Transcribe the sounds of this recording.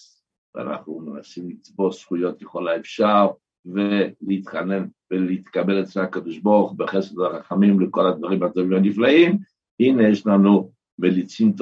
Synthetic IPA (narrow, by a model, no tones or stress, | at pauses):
va̰na̰χnumenasimlit͡sbo̞sχujo̞t̪jeχolaefʃaʁ | veleit̪χane̞nveleit̪kabeletleakod̪oʃboʁuχubeχesed̪laχaχamimleko̞lad̪vaʁimhat̪ovimhaniflaim | hinejeʃlanu | melit͡simt̪